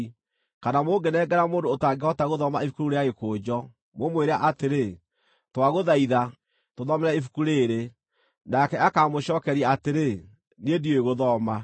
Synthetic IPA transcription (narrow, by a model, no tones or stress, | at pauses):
kanamoːɡenɛːɡɛɾamoːndoːtaɡeɔtaɣoðɔmaefu̥kuɾuɾeaɣekoːd͡ʑɔ | momweɾeaʔateɾe | twaɣoðaiða | toðɔmɛɾɛefu̥kuɾeːɾe | nakɛʔakaːmoɕɔːkɛɾiaateɾe | nedioeɣoðɔma